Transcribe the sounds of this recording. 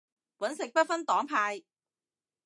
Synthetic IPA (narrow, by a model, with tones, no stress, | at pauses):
wɐ˨˥nsɪ˨k̚pɐ˥t̚fɐ˥nt̪ɔː˨˥ŋpʰaː˧j